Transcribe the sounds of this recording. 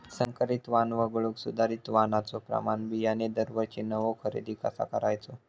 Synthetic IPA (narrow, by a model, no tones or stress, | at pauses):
səŋkəɾit̪ʋanʋəɡɭuksud̪aɾit̪ʋanat͡sopɾə̰manbijaned̪əɾʋət͡ɕinəʋokʰəɾḛd̪iːkə̰sa̰kəɾajt͡so